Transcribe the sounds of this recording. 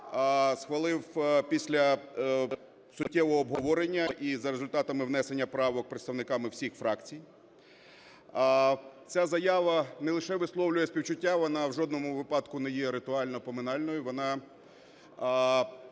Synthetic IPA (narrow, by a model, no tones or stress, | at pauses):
sxʋɐlˠɪwpʲisʲlʲɐ | sʊʊtʲːɛʋɔɦɔːbɦɔʋɔɾenʲːɐʔizɐɾezʊlʲt̪ɑt̪ɐmɪwnɛsenʲːɐpɾɑʋɔk̚pɾet̪st̪ɐʋwnɪkɑmɪwsʲixfɾɑkt͡sʲij | t͡sʲazɐjɑʋɐnɛlˠɪʃɛʋɪslˠɔwlʲʊjɛsʲpʲiwt͡ʃʊtʲːaʋɔnɑwʒɔd̪nɔmʊʋɪpɑd̪kʊnɛjɛɾɪt̪ʊɑlʲnɔpɔmɪnɑlʲnɔjʊʋɔnɑ